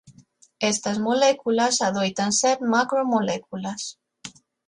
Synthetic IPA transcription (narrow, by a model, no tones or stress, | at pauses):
est̪azmolekulasaðojt̪anseɾmakɾomolekulas